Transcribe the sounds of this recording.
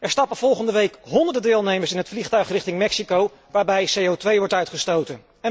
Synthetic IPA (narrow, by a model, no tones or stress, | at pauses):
ɛɹstɑpəv̥ɔlˠχəndəʋejkɦɔndəɹdədɪːlˠnejməɹsɪnɦətfliχtœɥχrɪχtɪŋmɛksikow | ʋaːɹbɛjsejowtʋejʋɔɹtœɥtχəstowtən | ɛ